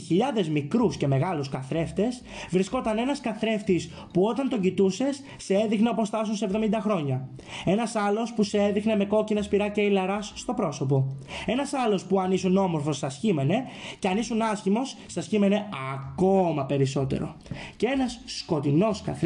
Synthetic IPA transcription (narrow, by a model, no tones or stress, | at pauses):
çiʎɐðe̞zmikɾusce̞me̞ɣɐluskɐθɾe̞ft̪e̞s | vɾisko̞t̪ɐne̞nɐskɐθɾe̞ft̪is | puo̞t̪ɐnt̪oɟit̪use̞sːeeðixneɐpost̪ɐs̬unsevðo̞mind̪ɐxɾo̞ɲɐ | e̞nɐsɐlo̞spuseeðixne̞me̞ko̞cinɐspiɾɐcɐilɐɾɐsːt̪o̞pɾo̞so̞p̬o̞e̞nɐsɐlo̞spuɐnisuno̞moɾfo̞sːɐsçime̞ne̞ce̞ɐnisunɐsçimo̞sːɐsçime̞ne̞ɐko̞mɐpe̞ɾiso̞t̪e̞̰ɾo̞̰ | cee̞nɐsːko̞t̪ino̞skɐ̰θ